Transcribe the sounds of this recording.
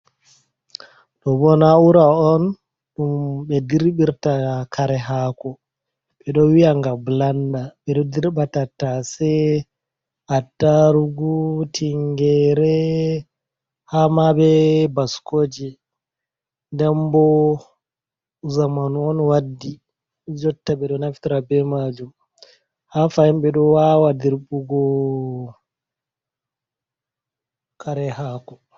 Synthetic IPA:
ɗɔbɔnauɾaɔn | ɗumɓɛdiɾɓiɾtakʰaɾɛɦaːkɔ | ɓɛɗɔwiaŋɡablandaɓɛɗɔdiɾbatatasɛ | adaɾuɡutʰiŋɡɛɾɛ | hamabɛbaskoːd͡ʒɛ | ndɛmbɔ | zamanuɔnwadːi | d͡ʒɔtːaɓɛɗɔnafi̥tiɾabɛmad͡ʒum | hafajimbɛɗɔwawadiɾɓuɡɔ | kʰaɾɛhaːkɔ

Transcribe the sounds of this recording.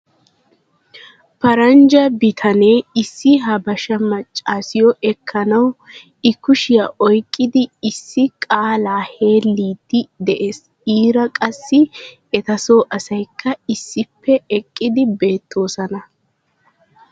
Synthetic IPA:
pɐɾɐnd͡ʒɐbɪt̪ʰɐneːɪsːɪɦɐbɐʃɐmɐt͡ʃʼːaːsɪjɔʔɛkʰːɐnɐw | ɪkːʊʃɪjɐʔɔjkʼːɪd̪ɪɪsːɪkʼaːlaːhe̞ːlːiːd̪ːɪd̪ɛʔes | iːɾɐkʼɐsːɪ | ɛt̪ɐsoːʔɐsɐjkːɐɪsːɪpʰːɛɛkʼːɪd̪ɪbe̞ːt̪ʰːo̞ːsɐnɐ

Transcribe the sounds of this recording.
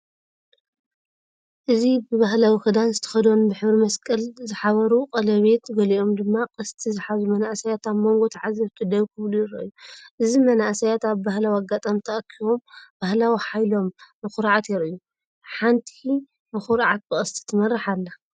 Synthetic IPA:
ʔɨzibɨβahlawixɨd̪anzɨt̪ʰɐ̥xɐd̪onbɨħɨβɾimɐskʼɐlzɨħaβɐɾuqʼɐlɐβe̞t̪ɡɐliʔo̞md̪ɨmːaqʼɨst̪ʰizɨħazumɐnaʔsɐjat̪amo̞ŋɡo̞t̪ʰaʕazɐβt̪ʰud̪ɐβkʰɨβlujɪɾɐʔɨjːuʔɨzimɐnaʔsɐjat̪aβbahlawiaɡat̪ʼamt̪ʰɐʔɐkʰiβo̞mb̥ahlawiħajlo̞mːɨxuɾʕat̪jɪɾɨju | ħant̪ʰi̥i | mɨxuɾʕat̪̚bɨkʼɐst̪ʰi̥t̪ʰɨmɐrːɨħalːa

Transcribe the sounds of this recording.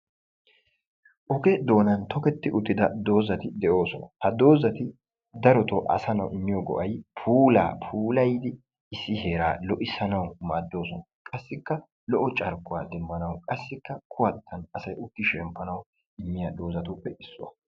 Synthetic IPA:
ʔɔkɛd̪o̞ːnɐnt̪ɔkɛt̪ːɪʔʊt̪ːɪd̪ɐd̪o̞ːzɐt̪ɪd̪ɛʔo̞ːsɔnɐhɐd̪o̞ːzɐt̪ɪ | d̪ɐɾɔt̪ɔʔɐ̰sɐnɐwʔɪnːɪjɔɡɔ̰ʔɐjpʰuːla̰ːpʰuːlɐjd̪ɪ | ɪsːɪɦe̞ːɾaːlɔʔɪsɐnɐwmaːd̪ːo̞ːsɔnɐkʼɐsːɪkːɐ | lɔʔɔt͡ʃʼɐɾkːʊwaːd̪ɛmːɐnɐwkʼɐsːɪkːɐkʰʊwɐt̪ʰːɐnɐsɐjʊkːɪʃɛmpːɐnɐw | ɪmːɪjaːd̪o̞ːzɐt̪upːɛɪsːʊwɐ̰

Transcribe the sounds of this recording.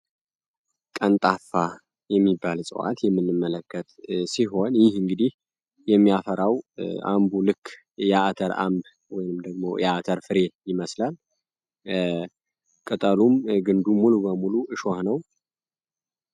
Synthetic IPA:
kʼənt̪ʼafa | jɛmːibːalsʼɨ̰wa̰t̪jɛmːɨnːɨmːələkːət̪ʼsiɦo̞njɪhɨŋɡɨd̪ih | jɛmːijafəɾawʔa̰mbulɨkː | jaʔt̪ʰəɾa̰mb | wɔjnɨmd̪əɡmo̞jat̪ʰəɾfɨɾe̞jɪməslal | kʼɨt̪ʼəlumɡɨnd̪umːulubəmuluʔɨʃohnəw

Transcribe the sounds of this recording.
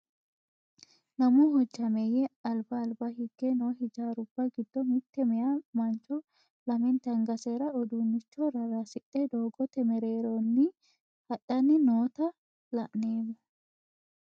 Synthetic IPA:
nɐmuɦɔd͡ʒːɐmɛjɛɐlbɐːlbɐhɪɡːɛnoːɦɪd͡ʒaːɾʊbːɐɡɪd̪ːɔmɪt̪ːɛmɛjamɐnt͡ʃːɔ | lɐmɪnt̪ɐŋɡɐseɾɐɔd̪unːɪt͡ʃːɔɾɐɾaːsɪᶑʼːɛd̪oːɡɔt̪ɛmɛɾeːɾonːɪ | hɐɗːɐnːɪnoːt̪ɐ | lɐʔneːmʊ

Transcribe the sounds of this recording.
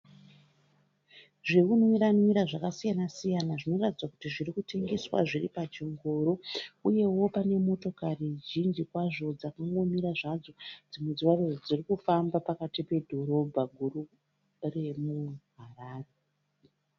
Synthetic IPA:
ʐekunwiɾanwiɾaʐakasijanasijanaʐino̞ratid͡zwakutiʐirikute̞ŋɡe̞swa̰ʐiripat͡ʃiŋɡoɾo̞uje̞wo̞pane̞mo̞to̞kariʒind͡ʒikwaʐo̞d͡zakaŋɡo̞miɾaʐad͡zo̞d͡zimed͡ziwarerod͡zirikufambapakatipe̞dʱo̞ɾo̞bʱaɡʱuru | re̞muɦaraːre

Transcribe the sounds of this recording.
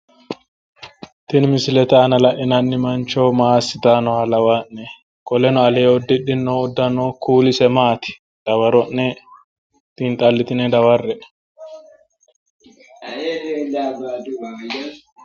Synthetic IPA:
t̪ɪnmɪsɪlɛt̪aːnɐlɐʔɪnɐnːɪmɐnt͡ʃoːmaːsɪt̪aːnɔalɐwaʔːɛ | kɔlɛnɔɐleːɔd̪ːɪɗːɪnːoɔd̪ːɐnoːkuːlɪsɛmaːt̪ɪ̥ | d̪̥ɐwɐɾɔnnɛ | t̪int̪ʼɐlːɪt̪ɪnɛd̪ɐwɐrːɛ | dbd

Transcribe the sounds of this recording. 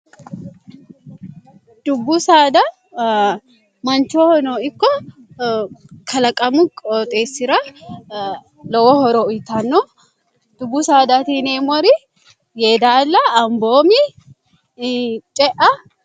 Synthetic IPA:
d̪̥ʊbːʊsaːd̪ɐ | mɐnt͡ʃoːhɔnoːɪkːɔ | kʰɐlɐkʼɐmʊkʼot̪ʼeːsɪɾɐ | lɔwɔhɔɾɔʊjt̪ɐnːɔ | d̪̥ʊbːʊsaːd̪ɐt̪iːneːmɔɾɪ | jeːd̪aːlːɐːmboːmi | t͡ʃʼɛʔɐ

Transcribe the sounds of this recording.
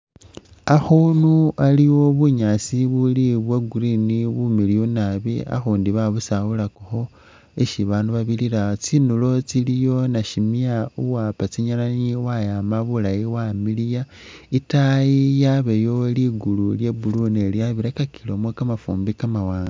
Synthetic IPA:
axunualiwo̞βuɲasiβuliβweɡuɾiniβumilijonaβea̰xuːndiβaβusawulakuxo̞ | eʃiβaːnduβaβiliɾat͡sinulo̞t͡silijo̞naʃimiauwapat͡siɲalaɲiwajamaβulajiwamilija | itajijaβejo̞liɡululje̞buluneljaβiɾakakʰilomwekamafuːmbikamawaːna

